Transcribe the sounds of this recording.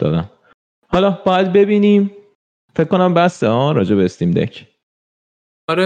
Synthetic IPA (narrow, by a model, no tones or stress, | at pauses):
d̪̥ɒ̰ːd̪æ̰n | hɒlɒːb̥ɒjæd̪̚be̞biːniːm | fekʰːo̞næmbæseɒːɾɒːd͡ʒe̞beest̪imd̪ḛcʰ | ɒɾe